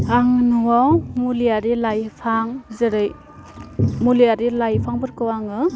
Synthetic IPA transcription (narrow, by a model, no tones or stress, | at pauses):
aŋnuwamulijaɾilajpʰaŋzɯɾɯj | mulijaɾilajpʰaŋbɯɾkɯwaŋɯ